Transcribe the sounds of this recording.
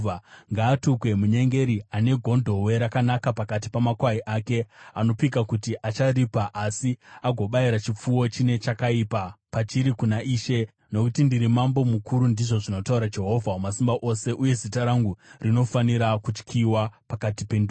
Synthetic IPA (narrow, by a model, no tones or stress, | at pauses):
aŋɡaːtukwe̞muɲe̞ŋɡe̞ɾiane̞ɡʱo̞ndʱo̞we̞ɾakanakapakat̬i̥pamakwaiʔake̞ano̞pikakutiʔat͡ʃaripaʔasiaɡʱo̞ɓaiɾat͡ʃip͡fuwo̞t͡ʃine̞t͡ʃakaipapat͡ʃiɾikunaʔiːʃe̞ | no̞kutindiɾimambo̞mukuɾundiʐo̞ʐino̞tauɾad͡ʒe̞ɦo̞vʱaumasimbaʔo̞se̞ʔuje̞zitaɾaŋɡurino̞faniɾakut͡ʃkʰiwapakatipe̞ndu